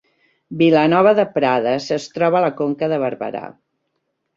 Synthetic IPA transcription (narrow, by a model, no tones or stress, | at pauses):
bilənɔβ̞əðəpɾaðəsəst̪ɾɔβəːləkoŋkəðəβəɾβə̰ɾa̰